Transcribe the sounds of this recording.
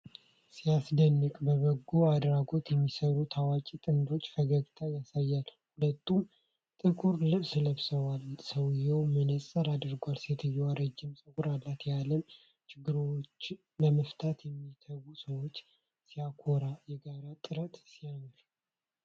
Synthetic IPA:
sijasd̪ənːɨkʼbəβəɡːuad̪ɾaɡo̞t̪jɛmːisəɾut̪ʰawat͡ʃʼit̪ʼɨnd̪o̞t͡ʃːfəɡəɡt̪ʰajasajːalhulət̪ʰːum | t̪ʼɨkʼuɾlɨβsɨləβsəwalsəwjɛwmənəsʼəɾad̪ɨɾɡʷalset̪ʰɨjːɛwaɾəd͡ʒːɪmsʼɨkʼuɾalːat̪jaləm | t͡ʃʰɪɡːɨɾt͡ʃː | ləməft̪ʰat̪jɛmːit̪ʰəwusəwot͡ʃː | sijakʰoɾajɛɡaɾat̪ʼɨɾət̪sijamɨʃ

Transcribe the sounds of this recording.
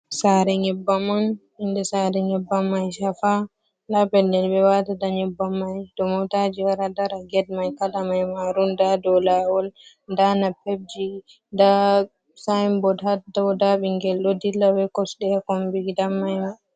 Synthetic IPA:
saɾɛɲɛbːaman | indɛsaɾɛɲɛbːamːajʃafa | labɛlːɛlbɛwatadaɲɛbːamːajd̥ɔmɔwtad͡ʒiwaɾadaɾaɡɛd̚majkalamajmaɾundadɔwlawɔl | ndanapeb̚d͡ʒi | da | sajmbɔdhatdɔwdaɓiŋɡɛlɗodilːawɛkɔsɗɛakɔmbiɡidamːajma

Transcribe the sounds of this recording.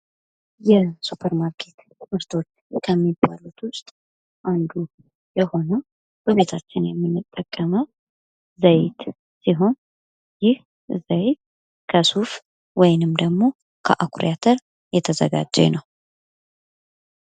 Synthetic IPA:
jɛsupʰəɾmaɾkʰe̞t̪ | wɨɾt̪ʰo̞t͡ʃːkʰəmːiba̰lut̪ʰwʊst̪ʼ | ʔand̪u | jɛho̞nə | b̥əβe̞t̪ʰat͡ʃːɪnjɛmːɨnːɨt̪ʼːəkʼːəməw | zəjt̪ | siɦo̞n | jɪh | zəjt̪ | kʰəsuf | wɔjnɨmd̪əɡmo̞ | kʰəʔakʰɾjat̪ʰəɾ | jɛt̪ʰəzə̰ɡa̰d͡ʒːɛ̰nəw

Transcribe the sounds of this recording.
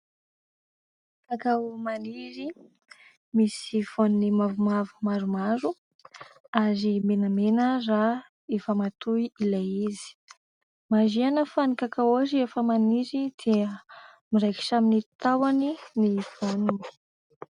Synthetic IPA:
kakawmaniɾi | misiv̥onunimavumavumaɾumaɾu | aɾimenəmenəra | efamat̪uiilajizi̥ | mazianəfanikakawaɾiefəmaniɾid̪̥eə | miɾajki̥ʃaminit̪awaniniv̥onuni̥

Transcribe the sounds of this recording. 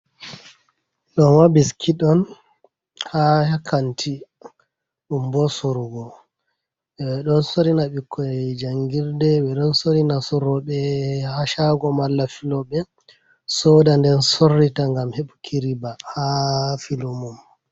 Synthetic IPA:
ɗɔnwabiskʰiɗɔn | hahakʰantʰi | ɗumbɔsuɾuɡɔ | ɓɛɗɔnsoɾinaɓikʰːɔd͡ʒaŋɡiɾdɛɓɛɗɔnsoɾinasɔɾɔɓɛhaʃaɡɔmalːafilɔɓɛ | sɔdandɛnsorːitaŋɡamheɓukʰiɾibahafilumum

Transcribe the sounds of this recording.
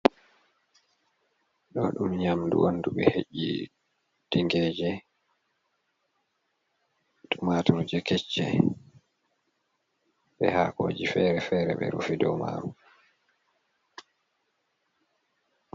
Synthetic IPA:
ɗɔɗumɲamdṵwʔonduɓɛheʔi | d̥iŋɡɛd͡ʒɛ | tumatuud͡ʒɛkɛt͡ʃːɛ | ɓɛhakoːd͡ʒifɛɾɛfɛɾɛ̰ɓɛ̰ɾufidɔwma̰ɾu

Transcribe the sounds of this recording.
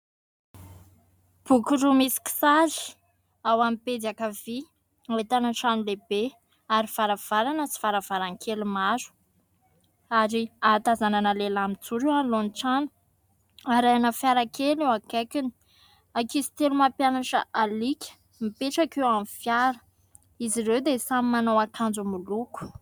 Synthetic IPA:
b̥ukuɾumisi̥ki̥sazi̥ | awamiped̪akavi | at̪anaʈ͡ʂanulebe | aɾiv̥aɾav̥aɾanət͡si̥vaɾavaɾaŋkʰelumaɾu̥ | aɾiat̪azananəlelamit͡suɾewanlonʈ͡ʂanu̥ | aɾajanəfjaɾakelewakakini̥ | akizi̥t̪elumapjanaʈ͡ʂəʔalikʲə̥ | mipeʈ͡ʂakewamifjaɾə̥ | iziɾewd̪esamimanawakʰand͡zumuluku̥

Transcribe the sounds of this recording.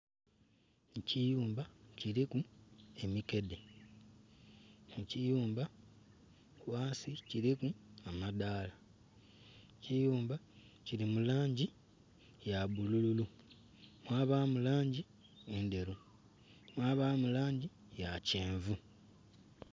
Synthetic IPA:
cijuːmbaciɾikue̞mike̞de | mucijuːmba | waːsiciɾikuamadaːla | cijuːmba | ciɾimulaːɲɟi | jaβulululu | mwaːβaːmulaːɲɟi | ende̞ɾu | mwaːβaːmulaːɲɟi | jaceːɱvu

